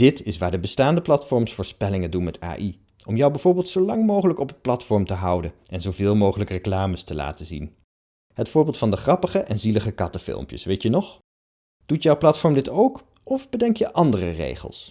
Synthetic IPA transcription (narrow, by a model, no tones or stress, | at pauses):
d̥ɪtʰɪsʋaːɹdəbəstaːndəplɑtfɔɹmsfʊːɹspɛlɪŋəndunmɛta̰ːʔi | ɔmjɔwbɛjvʊːɹbɪːlˠtsowlɑŋmowχələkɔpənplɑtfɔɹmtəɦʌwdəɛnzowvɪːlˠmowχələkreklaːməstəla̰ːtəzḭn | ɦətfʊːɹbɪːlˠtfɑndəχrɑpəχəʔɛnziləχəkɑtəfɪ̰lˠmpjə̰sʋejtjənɔχ | d̥utjowplɑtfɔɹmdɪtowk | ɔvbədɛŋkjəʔɑndərərḛjχə̰lˠs